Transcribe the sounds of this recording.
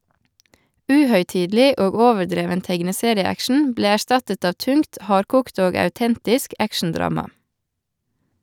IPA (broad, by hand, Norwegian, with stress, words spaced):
ˈʉːhœʏˌtiːdl̩ˌiː ˈoːɡ ˈoːʋəɾˌdɾeːʋən ˈtɛɡnəˌseːɾɪəˌækʃn̩ ˈbleː æˈʃtɑtət ˈɑːʋ ˈtʉŋkt ˈhɑːɾkuːkt ˈoːɡ ɑʉˈtɛntɪsk ˈækʃɳ̩ˌdɾɑːmɑ